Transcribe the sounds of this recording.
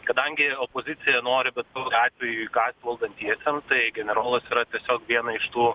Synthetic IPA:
kɐd̪ɐŋʲɡʲɪoːpoːzʲɪt̪sʲɪjɛnoːɾʲɪbʲɛt̪sɑːʋoɑːt̪ʲʋʲɛjuːiɡɑːt̪ʲʋʲʋɐlˠd̪ɐnʲt̪ʲiɛsʲɛmt̪ɐɪɡʲɛnʲɛɾoːlˠɐsiːɾɐt̪ʲiɛsʲoːkʋʲiɛnɐɪʃt̪uː

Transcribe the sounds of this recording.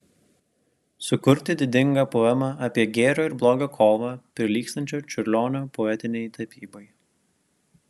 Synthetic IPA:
sʊkʊɾʲt̪ʲɪd̪ʲɪd̪ʲɪŋɡɐpɔɛmɑʔɐːpʲiɛɡʲɛːɾʲoːɪɾblˠoːɡɐkʰoːʋɐpʲɾʲɪlʲiːkst̪ɐnʲt͡ʃʲoːt͡ʃʲʊɾʲlʲoːnʲoːpɔɛt̪ʲɪnʲɛɪt̪ɐpʲiːboj

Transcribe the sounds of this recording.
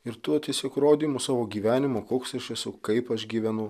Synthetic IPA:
ɪɾt̪uɔt̪ʲiɛsʲiɛkɾoːd̪ʲiːmʊsɑːʋoːɡʲiːʋʲæːnʲɪmoːkoːksɪʃʲɛsʊkɐɪpɐʃɡʲiːʋʲɛnʊ

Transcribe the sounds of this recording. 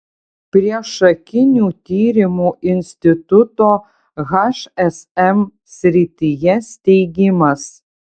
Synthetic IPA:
pʲɾʲiɛʃɐkʲɪnʲuːt̪ʲiːɾʲɪmuːʔɪnʲsʲt̪ʲɪt̪ʊt̪oː | ɣɑʃɛsɛm | sʲɾʲɪt̪ʲijɛsʲt̪ʲɛɪɡʲɪmɐs

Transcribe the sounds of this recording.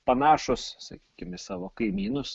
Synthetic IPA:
pɐnɑːʃʊssɐ̰kʲiːkʲɪmɪsɑːʋoːkɐɪmʲiːnʊs

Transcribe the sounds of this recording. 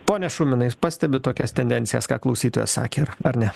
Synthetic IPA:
poːnʲɛʃʊmʲɪnɐɪpɑːsʲt̪ʲɛbʲɪt̪oːkʲɛst̪ʲɛnʲd̪ʲɛnʲt̪ʲɪjɛ̰skɑ̰ːklˠɒʊsʲiːt̪oːjɛ̰ssɑ̰ːkʲeːɐɾɐɾnʲɛ

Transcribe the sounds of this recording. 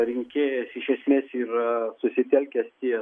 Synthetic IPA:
ɾʲɪŋʲkʲeːjɛsɪʃʲɛsʲmʲeːsiːrsʊsʲɪt̪ʲɛlʲkʲɛst̪ʲiɛ

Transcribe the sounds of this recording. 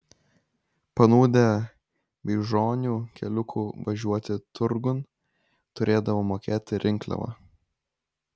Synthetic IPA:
pɐnuːd̪ʲɛ | bʲɛɪʒoːnʲuːkʲɛlʲʊkʰuːʋɐʒʲuɔt̪ʲɪt̪ʊɾɡʊn | t̪ʊɾʲeːd̪ɐʋoːmoːkʲeːt̪ʲɪɾʲʔɪŋˑklʲɛ̰ʋɐ̰

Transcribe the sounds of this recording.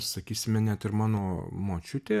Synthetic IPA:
sɐkʲiːsʲɪmʲɛnʲɛt̪ɪɾmɑːnoːmoːt͡ʃʲʊt̪ʲeː

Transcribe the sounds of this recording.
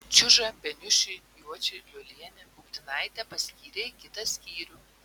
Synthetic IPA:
t͡ʃʲʊʒɐbʲɛnʲʊʃʲɪjuɔt͡ʃʲɪlʲʊlʲiɛnʲɛbʊkt̪ʲɪnɐɪt̪ʲɛpɐsʲkʲiːɾʲekʲɪt̪ɐsʲkʲiːɾʲʊ

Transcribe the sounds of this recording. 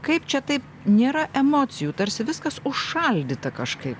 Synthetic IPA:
kɐɪpt͡ʃʲɛt̪ɐɪp | nʲeːɾɐʔɛmoːt͡s̪ʲɪjuːt̪ɐɾʲsʲɪʋʲɪskɐsʊʃʃɐlʲd̪ʲɪt̪ɐkɐʃkɐɪp

